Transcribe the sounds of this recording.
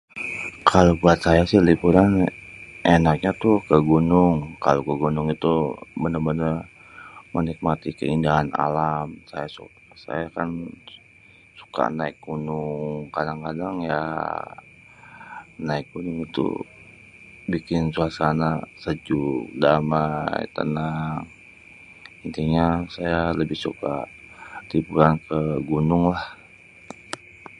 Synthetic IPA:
kʰalobuat̪̚sajasɪhlipuɾanʔenak̚ɲat̪ʊkəɡunʊŋka̰lokəɡunʊŋit̪ubənəbənər | mənik̚mat̪ikə̰indaɦana̰lamsa̰jasṵkasa̰jakan | su̥ka̰naɪk̚ɡunʊŋkadaŋkadaŋja̰ | naɪk̚ɡunʊŋit̪ṵ | bikɪnsuasanasəd͡ʒuk̚damajt̪ə̰naŋ | int̪iɲasajaləbɪhsuka̰ | d̪ibuɾankʰəɡunʊŋlah

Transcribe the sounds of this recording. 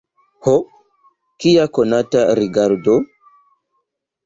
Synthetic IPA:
ho | kiakonataɾiɡaɾdo

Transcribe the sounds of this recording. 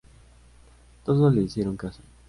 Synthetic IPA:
t̪oðoleisjeɾoŋkaso̥

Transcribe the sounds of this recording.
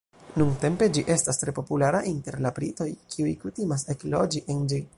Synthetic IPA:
nuŋte̞mpe̞d͡ʒiʔe̞stastɾe̞po̞pulaɾaʔinte̞ɾlapɾito̞jkʰiujkutimas̬e̞klo̞d͡ʒiʔend͡ʒi

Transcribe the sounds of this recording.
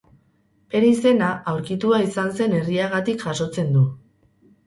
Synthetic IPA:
be̞ɾeis̬e̞naʔawɾkit̪uaisanse̞ne̞riaɣat̪ikʝaso̞t͡se̞nd̪u

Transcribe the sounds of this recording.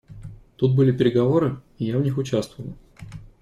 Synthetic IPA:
t̪ut̪̚bɨlʲɪpʲɪɾʲɪɡɐvo̞ɾɨ | ɪjavnʲixʊt͡ɕast̪vəvəlˠ

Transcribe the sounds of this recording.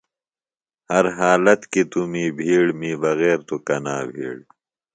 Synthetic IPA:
hɐɾɦaːlɐt̪kit̪umiːbʱiːɽmiːbɐɣeːɾt̪ukɐnaːbʱḭːɽ

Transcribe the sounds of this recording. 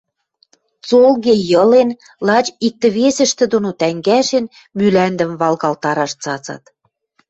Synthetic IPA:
t͡solɣejɤ̆len | lɑt͡ɕik̚t̪ə̆βesə̆ʃt̪ĕd̪onot̪æŋɡæʃen | mylænd̪ə̆mβɑlɣɑlt̪ɑɾɑʃt͡sɑt͡sɑ̰t̪

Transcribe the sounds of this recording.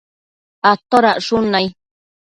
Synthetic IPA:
at̪oɾaʔʂʊnaj

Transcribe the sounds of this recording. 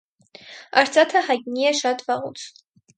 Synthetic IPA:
ɑɾt͡sɑt̪ʰəhɑjt̪niɛʃɑt̪vɑʁṵt͡sʰ

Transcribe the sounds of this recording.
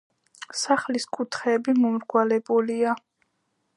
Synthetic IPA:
saχliskʼut̪ʰχɛːbimɔmɾɡwalɛbulia

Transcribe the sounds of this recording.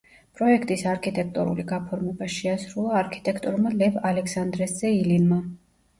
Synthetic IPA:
pʼɾɔɛkʰt̪ʼisaɾkʰit̪ʼɛk̚ʰt̪ʼuɾṵliɡapʰɔɾmɛbaʃɛasɾulˠaːɾkʰi̥t̪ʼɛkʰt̪ʼɔɾmalɛvalɛksand̪ɾɛszɛilinma

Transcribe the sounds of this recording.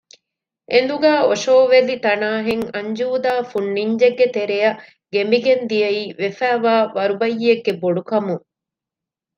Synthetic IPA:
ʔend̪uɡæːoʂoːʋelit̪ɐnaːɦeŋɐɲd͡ʒuːd̪aːfunːiɲd͡ʒeɡːet̪eɾejɐ | ɡembiɡend̪ijɐiːʋefæːʋaːʋɐɾubɐjːieɡːeboɖukɐmuŋ

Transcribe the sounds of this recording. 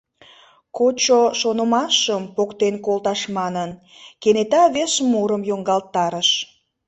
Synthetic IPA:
kot͡ɕoʃonəmɑʃəmpokt̪enkolt̪ɑʃmɑnən | kenet̪ɑβeʃmuɾəmjoŋɡɑlt̪ːɑɾəʃ

